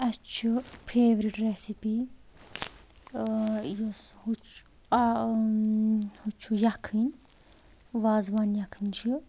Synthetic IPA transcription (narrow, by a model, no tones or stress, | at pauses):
ɐt͡ʃʰipʰeːʋɾiʈɾesipi | joshut͡ʃ | hut͡ʃʰujɐkʰːinʲ | ʋaːzʋanjɐkʰːɨnʲt͡ʃʰi